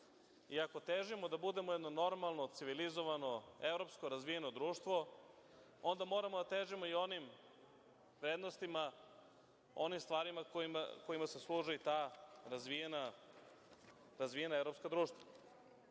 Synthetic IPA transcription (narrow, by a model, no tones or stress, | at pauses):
iako̞t̪eːʒimo̞d̪abud̪e̞mojed̪no̞no̞ɾmalˠno̞t̪siʋilizoʋano̞evɾo̞pskoɾazʋijeno̞d̪ɾuːʃt̪ʋo̞ | o̞nd̪amo̞ːɾamod̪at̪eːʒimo̞io̞nim | vɾeːd̪nost̪ima | o̞̰nimst̪ʋaːɾimakoima̰ko̞imaseslˠuːʒeit̪aːɾazʋiena | ɾazʋijenaevɾo̞pskad̪ɾuːʃt̪ʋa